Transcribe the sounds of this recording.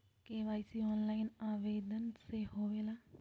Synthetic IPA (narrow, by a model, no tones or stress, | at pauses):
keːʋaːjsiːɔːnlaːɪnaːʋeːd̪ənseːɦoːʋeːlaː